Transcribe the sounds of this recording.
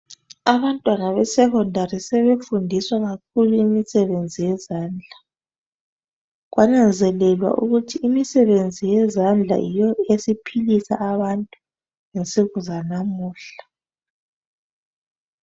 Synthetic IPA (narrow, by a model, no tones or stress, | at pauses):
aβantʼwanaβɛsɛkɔndʱarisɛβefundʱiswaɣak̚ʰuluimisɛβend͡zʱijɛzaːnd͡ɮʱa | ɣwʔanand͡zʱɛlɛlwa̰ʔuɣutʰiːmisɛβend͡zʱijɛzand͡ɮʱa̰jijɔesipʰilisa̰ːβantʼu | ŋensʼiɣuzanamuːɬḁ